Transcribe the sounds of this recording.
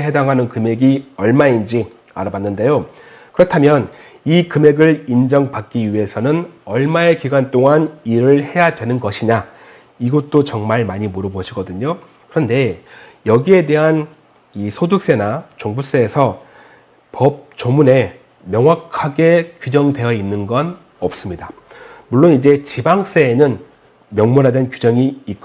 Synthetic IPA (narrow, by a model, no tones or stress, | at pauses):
ɦe̞daŋɦanɯnkɯme̞ɡiʌɭmaind͡ʑi | a̰ɾabanːɯnde̞jo | kɯɾʌtʰamjʌn | ikɯme̞ɡɯɭind͡ʑʌŋpak͈iɥie̞sʰʌnɯnʌɭmae̞kiɡwant͈oŋaniɾɯɭhe̞jadwe̞nɯnɡʌɕʰiɲa | iɡʌt͈ot͡ɕʌŋmaɭmaɲimoɾʌboɕʰiɡʌdɯɲo | kɯɾʌnde̞jʌɡie̞de̞ɦan | isʰodɯk̚s͈e̞nat͡ɕoŋbus͈eːsʰʌ | pʌp̚t͡ɕomune̞ | mjʌŋwakʰaɡe̞kud͡ʑʌŋdwe̞jʌinːɯnɡʌn | ʌp̚s͈ɯmɲida | muɭːonid͡ʑe̞t͡ɕibaŋs͈eːnɯn | mjʌŋmonɦadenkud͡ʑʌŋiːtk͈o